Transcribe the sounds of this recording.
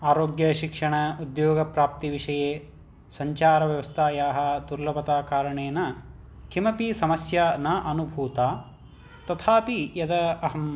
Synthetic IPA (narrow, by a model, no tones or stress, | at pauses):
aːɾoːɡjɐʃikʂɐɳɐud̪joːɡɐpɾaːp̚t̪iʋiʂɐjeː | sɐɲt͡ʃaːɾɐʋjɐʋɐst̪ʰaːjaːɦɐd̪uɾlɐpɐt̪aːkaːɾɐɳeːnɐ | kʰimɐpisɐmɐsjɐnɐʔɐnubʱuːt̪aː | t̪ɐt̪ʰaːpijɐd̪ɐɐɦɐm